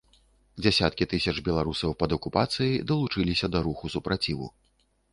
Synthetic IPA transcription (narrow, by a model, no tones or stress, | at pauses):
d͡zʲasʲat̪̚kʲit̪ɨsʲɐt͡ʂbʲɛlˠaɾusɐwpɐd̪ɐkupat̪sɨjid̪ɐlˠut͡ʂɨlʲisʲɐd̪ɐɾuxusupɾat͡sʲivṵ